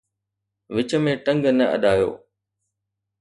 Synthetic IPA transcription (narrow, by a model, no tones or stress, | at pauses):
ʋɪt͡ɕə̆mẽʈɐ̃ŋɡnɐɐ̰ɗaːjo̰ː